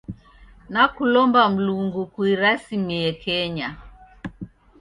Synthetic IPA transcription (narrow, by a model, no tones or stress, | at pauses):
nakulɔmbam̩luŋɡukwiɾasimiɛkɛɲa